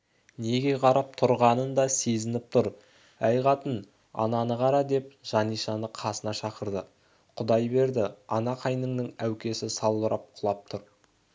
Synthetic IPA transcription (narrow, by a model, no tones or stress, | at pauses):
ne̞ɡʲe̞qʰɑɾɑp̚t̪ʰʊɾʁɑnənd̪ɑse̞zɪnɪp̚t̪ʰʊɾ | æjʁɑt̪ən | ɑ̰nɑnəʁɑɾɑd̪e̞p̚ʒ̥ɑnijʃɑnəqʰɑsənɑʃɑqəɾd̪ə | qʰʊd̪ɑjbe̞ɾd̪ɪɑnɑqʰɑjnəɴnəŋæwkʲe̞sɪsɑlˠbəɾʔɑp̚qʰʊlˠɑp̚t̪ʰʊɾ